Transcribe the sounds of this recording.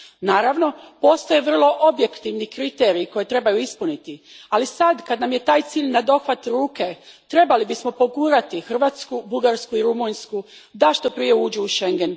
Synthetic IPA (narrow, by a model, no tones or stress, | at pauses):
naːɾaʋno̞po̞ːst̪ojeʋr̩lˠo̞ʔobje̞kt̪iʋnikɾit̪eɾiːko̞je̞t̪ɾe̞bajuispunit̪ialisad̪kad̪namje̞t̪aːjt̪siːʎnad̪o̞xʋat̪ɾuːke̞t̪ɾe̞balibismo̞po̞ɡuːɾat̪ixr̩ʋaːt̪skubuɡaɾskuiɾumunskud̪aʃt̪o̞pɾije̞uːd͡ʑuuʃe̞ŋɡe̞n